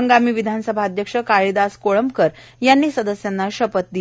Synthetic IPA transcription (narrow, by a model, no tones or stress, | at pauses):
əŋɡamiːʋid̪ʱansəbʱad̪ʱjəkʂəkaɭid̪askoɭəmpkəɾ | janːiːsəd̪əsjanːaɕəpət̪̚d̪i